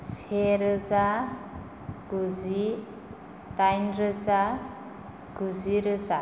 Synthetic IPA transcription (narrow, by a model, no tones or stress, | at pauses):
seɾəza | ɡ̥uzi | t̪ajnɾəza | ɡ̥uziɾəza